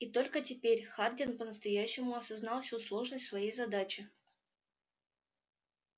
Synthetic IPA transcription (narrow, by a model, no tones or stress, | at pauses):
it̪o̞lʲkətʲɪpʲeɾʲxardʲɪnpənəst̪ɐjæɕːɪmʊɐsɐznɑlˠfsʲuslˠo̞ʐnəsʲtʲsvɐjejzɐd̪at͡ɕɪ